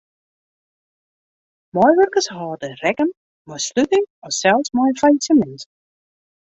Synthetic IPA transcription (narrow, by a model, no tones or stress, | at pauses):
mɔjʋœrkəshɑːdərɛkən | mɔjslytɪŋɔsɛlˠsmɔjfajsəmɛns